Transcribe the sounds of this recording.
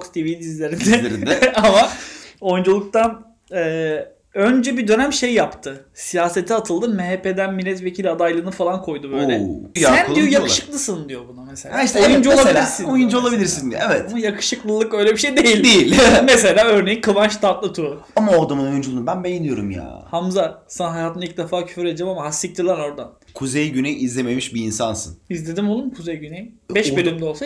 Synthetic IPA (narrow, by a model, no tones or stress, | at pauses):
kst̪ivilʲd̪izlʲeɾind̪ɛɾid̪ɛamao̞jund͡ʒulˠuk̚t̪an | ɛː | ønd͡ʒɛbid̪ø̞næmʃe̞jːapt̪ʰɯsijaːse̞t̪ʰiat̪ʰɯlˠd̪ɯmeɦeped̪ænmilʲɛt̪vecʰilʲad̪ajlˠɯːnɯfalˠankʰo̞jd̪ubøjlʲɛjasænd̪ijojakɯʃɯ̥klˠɯsɯnd̪ijo̞bunameselʲaʃt̪ojund͡ʒuoabilʲiɾsinojund͡ʒuo̞lˠabilʲiɾsinevɛt̪jakʰɯ̥ʃɯklˠɯlˠɯkø̞jlʲebiʃejd̪e̞jilʲd̪ejimes̬e̞lʲaːø̞ɾnejinkʰɯvanʃt̪ʰat̪lˠat̪ʰɯ | amaoɾd̪amɯnojund͡ʒulˠubænbejilʲijo̞ɾumja̰ːhamzasanɦajat̪ʰɯnilc̚d̪efaːcʰy̥fyɾed͡ʒemamaɦasːict͡ʃʰilʲˠano̞ɾd̪an | kʰuzejɟynɛjizlʲememiʃbiinsansɯ̰nizlʲe̞d̪imo̞lˠumkʰuzejɟynɛjbɛʃbølʲymd̪ɛolˠsa